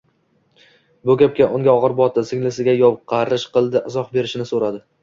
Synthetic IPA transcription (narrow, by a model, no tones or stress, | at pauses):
bʊkʲap̚kʲaʔʊŋɡʲaɒʁɨɾbɒt̪ʰɪsɪŋʲlɪsɪɡʲajɒwqʰɑɾɪʃqɨlˠd̪ɪʔɪzɒχbe̞ɾɪʃɪnɪsoɾad̪ɪ